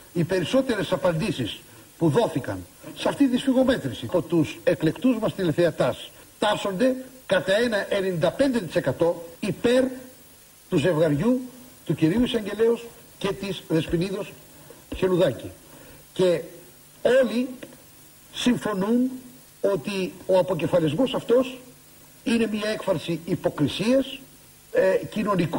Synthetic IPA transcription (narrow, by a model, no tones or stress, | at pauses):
ipe̞ɾiso̞t̪e̞ɾe̞sɐpɐnd̪isis | puðo̞θikɐ̰nsɐft̪it̪isfiɣo̞me̞t̪ɾisiot̪use̞kle̞kt̪uzmɐst̪ileθeɐt̪ɐst̪ɐɾso̞nd̪e̞kɐt̪ɐe̞nɐʔenenind̪ɐpe̞nd̪e̞t̪i̥se̞kɐt̪o̞ipe̞ɾ | t̪uze̞vɣɐɾʝut̪uciɾiuisɐɲɟe̞le̞os | ce̞t̪izðe̞spiniðo̞s | çe̞luðɐci | ce̞ | o̞li | siɱfo̞nun | o̞t̪io̞ɐpo̞ce̞fɐlizmo̞sɐft̪o̞s | ine̞miɐe̞kfɐsiipo̞kɾisiɐs | cino̞nik